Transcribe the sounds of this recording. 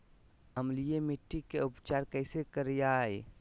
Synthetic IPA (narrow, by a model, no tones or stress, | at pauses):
ɐmlijemɪʈːikeʊpt͡ʃaːɾkəːsekəɾjaːe